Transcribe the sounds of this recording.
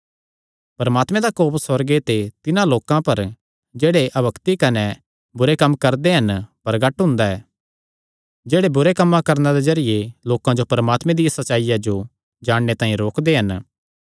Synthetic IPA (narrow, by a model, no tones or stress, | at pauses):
pɐɾəmaːt̪mẽd̪akoːpsɐɾɡet̪et̪ɪnãloːkãpɐɾ | d͡ʒeːɽeʔɐbɐkt̪ikɐne | bʊɾekɐmːkɐɾd̪eɦɐnpɐɾɡɐʈɦʊ̃nd̪aɛː | d͡ʒeːɽebʊɾekɐmːãkɐɾnad̪ezɐɾɪjeloːkãd͡ʒopɐɾəmaːt̪mẽd̪ijasɐtːt͡ʃʃaːijad͡ʒo | d͡ʒaːɽːet̪ãːĩɾoːkd̪eɦɐn